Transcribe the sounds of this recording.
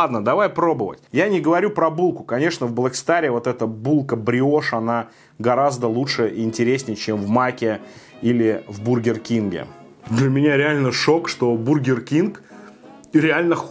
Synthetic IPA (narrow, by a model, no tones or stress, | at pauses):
ad̪nəd̪ɐvajpɾo̞bəvə̰tʲjanʲɪɡəvɐɾʲupɾɐbulˠkʊkɐnʲe̞ʂnəvblˠəksʲt̪aɾʲɪvo̞t̪ɛt̪əbulˠkəbɾʲɪo̞ʂɐna | ɡɐɾazd̪əlˠutʂɨɪnʲtʲɪɾʲesʲnʲɪjət͡ɕemvmakʲɪ | ilʲɪvburɡʲɪrkʲinɡʲɪ̰ | d̪lʲəmʲɪnʲaɾʲɪalʲnəʂokʂt̪o̞burɡʲɪrkʲink | ɾʲɪalʲnə